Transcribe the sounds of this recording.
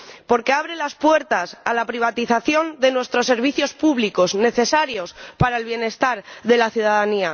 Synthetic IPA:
po̞ɾke̞aβɾe̞laspwe̞ɾt̪asalapɾiβ̞at̪iθaθjo̞nd̪e̞nwe̞st̪ɾo̞sːe̞ɾβiθjo̞spuβliko̞zne̞θe̞saɾjo̞spaɾaelβje̞ne̞st̪aɾðe̞laθjuðaðania

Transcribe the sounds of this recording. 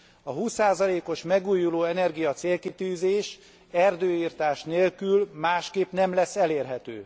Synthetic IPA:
ɒɦuːsːaːzɒleːko̞ʃmɛɡuːjuloːɛnɛrɡijɒt̪seːlkit̪yːzeːʃ | ɛrd̪øːiːrt̪aːʃneːlkylmaːʃkeːpnɛmlɛsːɛleːrɦɛt̪ø̰ː

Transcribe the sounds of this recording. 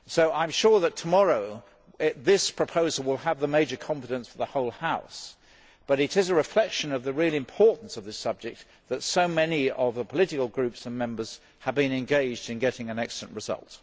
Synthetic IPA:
soʊʔãɪ̃mʃʊɹðətʰəmɑɹoʊ | ðɪspʰɹ̥ɨpʰoʊzl̩ˠwɪlˠəvðəmeɪd͡ʒə˞kʰɑ̃ɱfɨɾɨ̃nsfə˞ðəhoʊlˠhaʊs | b̥ʌɾɨɾɨzɨɹɨflɛkʃɨ̃nʌvðɨɹilˠɨ̃mpʰɔɹʔn̩sʌvðɪsʌb̚d͡ʒɨk̚t̪̚ | ðɨtsoʊmɛniʌvðəpʰəlɪɾɨklˠɡɹʉpsə̃nmɛ̃mbə˞z̥ | əvbɨ̃nɨ̃nɡeɪd͡ʒdɨ̃nɡɛɾɪ̃ŋɨ̃nɛksəl̩ˠə̃nʔɹɨzʌ̰lˠt

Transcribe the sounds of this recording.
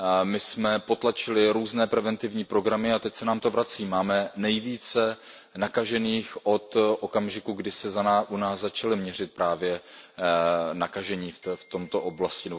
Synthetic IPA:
mɪsmɛpo̞t̪lat͡ʃɪlɪɾuːznɛːpɾɛvɛnt̪ɪvɲiːpɾo̞ɡɾamɪat̪ɛcsɛnaːmt̪o̞vɾat͡siːmaːmɛnɛjviːt͡sɛ | nakaʒɛniːxʔo̞t̪ʔokamʒɪkuɡdɪsɛzanaʔunaːszːat͡ʃalɪmɲɛr̝ɪt̪̚pɾaːvjɛ | nakaʒɛɲiːfft̪o̞mt̪o̞ʔoblascɪnɛbo

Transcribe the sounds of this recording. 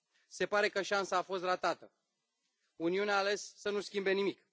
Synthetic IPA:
se̞paɾe̞kəʃansaːfo̞s̬t̪ɾat̪at̪ə | uniuneaːle̞sːənuskʲimbe̞nimik

